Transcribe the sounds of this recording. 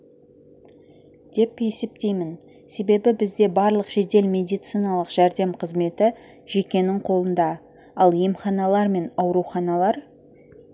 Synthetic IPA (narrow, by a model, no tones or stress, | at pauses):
d̪̥e̞pe̞se̞pt̪e̞jmɪn | se̞be̞bɪbɪzd̪e̞bɑɾlˠəqʒ̥e̞d̪e̞lmʲe̞d̪ijt̪sɨjnɑlˠəqʒ̥æɾd̪e̞mqʰəzme̞t̪ɪ | ʒ̥e̞kʲe̞nɪɴqʰo̞lˠənd̪ɑ | ɑlˠjemχɑnɑlˠɑɾme̞nɑwɾuwχɑnɑlˠɑɾ